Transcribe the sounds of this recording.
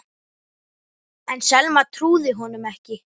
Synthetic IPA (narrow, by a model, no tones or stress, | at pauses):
ɛnsɛlmat̪ʰɾuːðɪɦɔnʏmɛhcɪ